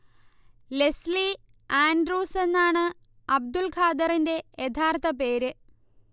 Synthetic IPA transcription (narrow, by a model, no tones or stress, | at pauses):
le̞sli | aːndruːse̞nːaːɳɨ | ɐb̚d̪ulkʰaːd̪ɐrinde̞jet̪ʰaːrt̪ʰɐpe̞ːɾɨ